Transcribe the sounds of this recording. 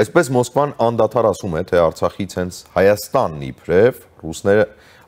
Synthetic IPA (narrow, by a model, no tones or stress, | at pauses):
ɑjspɛsmɔskvɑnɑnd̪ɑt̪ʰɑɾɑsumɛt̪ʰɛɑɾt͡sʰɑχit͡sʰhɛnt͡sʰhɑjɑst̪ɑnːḭpʰɾɛv | rusnɛɾə